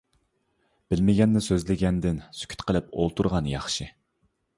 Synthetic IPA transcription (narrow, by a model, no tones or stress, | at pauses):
b̥ɪlmɪɡʲɛnːɪsøzlɪɡʲɛnd̪ɪnsy̥kʲʰy̥t̪qʰəlˠɪpo̰lˠt̪ʰuɾʁɑnjɑ̰χʃɪ